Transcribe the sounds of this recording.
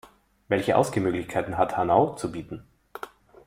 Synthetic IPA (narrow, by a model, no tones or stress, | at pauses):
vɛlçəʔa̰ʊsɡ̥əmøːɡlɪçkʰaɪtn̩ɦathanaʊt͡subiːtn̩